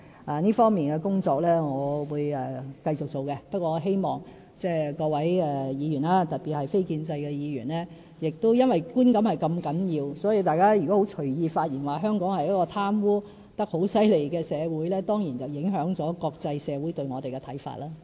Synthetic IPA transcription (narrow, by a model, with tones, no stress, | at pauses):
ʔaː˨niː˥fɔː˥ŋmiː˨nkɛ˧kʊ˥ŋt͡sɔː˧k̚lɛː˥ŋɔː˨˧wuː˨˧jɛ˨kɐ˧jt͡sʊ˨k̚t͡so˨wkɛ˧pɐ˥t̚kʷwɔː˧ŋɔ˨˧ɦe˥jmɔː˨ŋ | t͡sɛː˥kɔː˧wɐ˨˥jɛː˨jiː˨˧jy˨˩naː˦˥t̪ɐ˨t̚piː˨t̚hɐ˨jfe˥jkiː˧nt͡sɐ˧jkɛ˧jiː˨˧ɥyː˨˩nlɛː˥ | jɪ˨k̚t̪o˥wjɐ˥nwɐ˨jkuː˥nkɐ˨˥mhɐ˨˩jkɐ˧mkɐ˨˥njiː˧wsɔ˨˥ji˨˧t̪aː˨jkaː˥jy˨kɔ˨˥ho˨˥wt͡ʃʰɵ˨˩ɥjiː˧faː˧t̚jiː˨˩nwaː˨˩ɦœː˥ŋkɔː˨˥ŋhɐ˨jɐ˦˥kɔː˧t̪ʰaː˥mwuː˥ | t̪ɐ˥k̚ho˨˥wsɐ˥jle˨˩jkɛː˧sɛː˨˧wuː˨˥jlɛː˥t̪ɔː˥ŋjiː˨˩nt͡sɐ˨wjɪ˨˥ŋɦœː˨˥ŋt͡sɔː˨˥kɔː˧k̚t͡sɐ˧jsɛː˨˧wuː˨˥jt̪ɵ˧ɥŋɔː˨˧t̪e˨jkɛ˧t̪ʰɐ˨˥jfa̰ː˧˨t̚laː˥